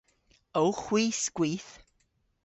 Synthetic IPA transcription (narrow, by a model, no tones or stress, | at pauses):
owχwiːsɡ̥wiːθ